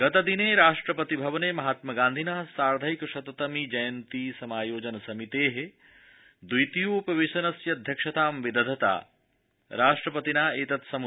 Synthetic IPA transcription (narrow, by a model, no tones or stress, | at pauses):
ɡɐt̪ɐd̪ineːɾaːʂʈɾɐpɐt̪ibʱɐʋɐneːmɐɦaːt̪mɐɡaːnd̪ʱinaːsaːɾd̪ʱɐjkɐʃɐt̪ɐt̪ɐmid͡ʒɐjɐnt̪iːsɐmaːjoːd͡ʒɐnɐsɐmit̪eːɦe | d̪ujt̪ijuupɐʋeʃɐnɐsjɐd̪ʱjɐkʂɐt̪aːmʋid̪ɐd̪ʱɐt̪a̰ː | ɾaːʂʈɾɐpɐt̪inaːeːt̪ɐt̪sɐmu